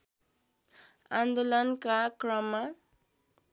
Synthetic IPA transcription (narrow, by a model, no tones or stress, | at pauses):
ãnd̪olʌnkakrʌmːa